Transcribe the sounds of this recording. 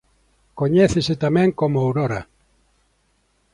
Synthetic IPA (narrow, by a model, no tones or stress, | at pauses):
koɲɛθesɪt̪amɛ̃ŋkomʊawɾoɾɐ